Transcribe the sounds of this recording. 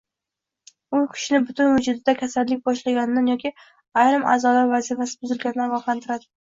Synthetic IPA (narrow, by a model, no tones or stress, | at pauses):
ʊjkʲʰʊ̥ʃnɪbʊt̪ʰʊnwʊd͡ʒʊd̪ɪd̪akʲʰasallːɪk̚ʲbɒʃlaɡʲanɪd̪anjɒkʲʰi | ajɾɪmʔa̰ːzɒlaɾvazifasɪ̥bʊzɪlɡʲanɪnaavɒqlant̪ʰɪɾad̪ɪ